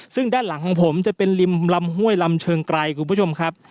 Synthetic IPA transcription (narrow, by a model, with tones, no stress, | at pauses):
sɯ˥˩ŋdaː˥˩nla˨˩˦ŋkʰɔː˩˦ŋpʰo˩˦mt͡ɕa˨˩pe˧nli˧mla˧mɦu˥˩əjla˧mt͡ɕʰɤː˧ŋkɾa˧jkʰu˧nbu˥˩o˧mkʰa˦˥p̚